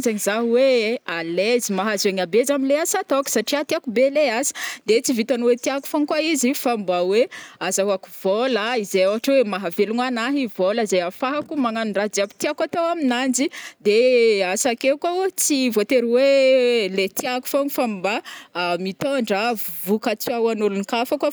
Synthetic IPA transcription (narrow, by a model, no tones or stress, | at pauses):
zaɲizaɦuwealezimaɦazeɲabezaminleasat̪oku̥saʈ͡ʂiat̪iakubeleaz̥i̥d̪et͡sivit̪anuwet̪iaku̥faŋkwaizifambaweazaɦaku̥v̥olaizejawaʈ͡ʂawemaɦaveluŋanaɦivoləzajafaɦakumaŋanuɳɖ͡ʐad͡ziabi̥t̪iakat̪owaminand͡ʒid̪easakewkat͡sivot̪eɾiwelet̪iaku̥faŋufambamit̪oɳɖ͡ʐavukat͡sawanulunikafakwa